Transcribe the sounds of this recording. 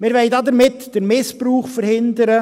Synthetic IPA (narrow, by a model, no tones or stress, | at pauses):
mɪɾʋɛɪdɑd̪əɾmɪtd̥əɾmɪspɾuːχfəɾhɪnd̪əɾə